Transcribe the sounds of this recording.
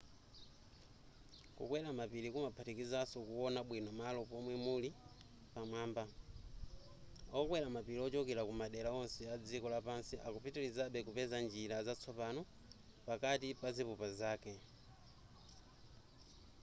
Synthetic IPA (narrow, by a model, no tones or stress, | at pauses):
kṵkwɛɾamapilikumapʰatikizasɔkuwɔnaɓwinɔmalɔpɔmwɛmuli | pamwaːmba | ɔkwɛɾamapiliɔt͡ʃɔkɛɾakumaɗɛlaɔnsɛad͡zikɔlapansiʔakupʰitilizaɓɛkupɛzand͡ʒiɾazat͡sʰɔpanɔ | pakatipazipupazaːkɛ